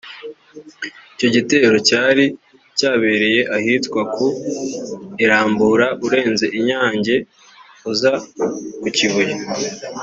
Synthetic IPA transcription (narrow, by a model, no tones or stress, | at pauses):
ico̞ɟite̞ːɾo̞caːɾi | caːβe̞ɾe̞je̞ʔahitkwaku | iɾaːmbuːɾaʔuɾe̞ːnze̞ʔiɲaːɲɟe̞ | uzakuciβuje